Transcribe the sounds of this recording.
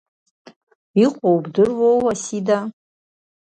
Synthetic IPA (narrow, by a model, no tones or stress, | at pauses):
iqʷʼowbdɨrwowwasida